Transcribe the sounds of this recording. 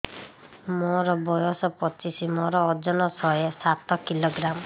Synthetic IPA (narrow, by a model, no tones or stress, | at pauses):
mɔɾɔbɔjɔsɔpɔt͡ʃisimɔɾɔːd͡ʒɔnɔsɔjesat̪ɔkiloɡɾam